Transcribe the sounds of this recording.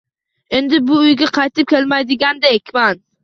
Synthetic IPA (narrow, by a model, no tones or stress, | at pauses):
e̞nd̪ɪbʊʊjɡʲaqʰɑjt̪ʰɪp̚kʲʰe̞lmajd̪ɪɡʲand̪aekʲʰman